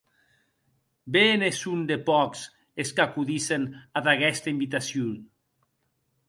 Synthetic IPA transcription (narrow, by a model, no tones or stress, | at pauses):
benesund̪epɔks | eskakuðisenaðaɣɛst̪aimbit̪asjun